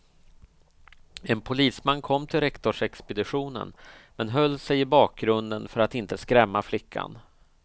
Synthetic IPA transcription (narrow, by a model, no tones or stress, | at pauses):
ɛnpʰʊliːsmanːkʰɔmːt̪ʰɪlɾɛkt̪ɔʂɛkspɛd̪ɪɧuːnə̰nmɛnɦœlːsɛjɪbɑːk̚ɡɾɵnd̪ənfœɾat̪ɪnt̪əskɾɛmːaflɪkʰːa̰n